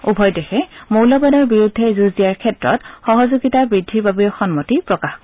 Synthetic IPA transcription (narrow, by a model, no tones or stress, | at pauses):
ubʱɔjdexɛmowlɔbadɔɹbiɹudʱːɛzuzijaɹkʰɛtɹɔ̰txɔɦɔzuɡitabɹidʱːiɹbabixɔnmɔtipɹɔkaxkɔ